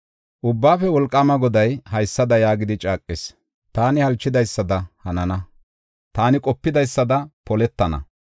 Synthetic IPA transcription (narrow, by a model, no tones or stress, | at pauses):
ʔʊbːaːfɛwɔlkʼːɐmɐɡɔd̪ɐjhɐjsːɐd̪ɐjaːɡɪd̪ɪt͡ʃʼaːkʼːɪs | t̪aːnɪhɐlt͡ʃːɪd̪ɐjsːɐd̪ɐhɐnɐnɐ | t̪aːnɪkʼɔpːɪd̪ɐjsːɐd̪ɐpɔlɛt̪ːɐnɐ̰